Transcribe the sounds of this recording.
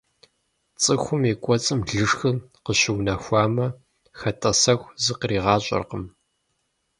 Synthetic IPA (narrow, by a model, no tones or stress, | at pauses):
t͡sʼɨxʷʊmeːkʷʼɔt͡sʼɨmɮɨʂxɨ | qəɕɪwnɐxʷɑːmɐ | xɐtʰʼɐsɐxʷzɨqriːʁɑːɕʼɐ̰rqəm